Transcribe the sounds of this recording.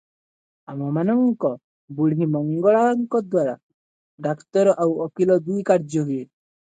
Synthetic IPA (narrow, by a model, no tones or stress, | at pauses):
amɔmanɔŋkɔ | buɽɦimɔŋɡɔɭaŋkɔd̪waɾa | ɖakt̪ɔɾɔʔawɔkilɔd̪ujkaɾd͡ʒɔɦue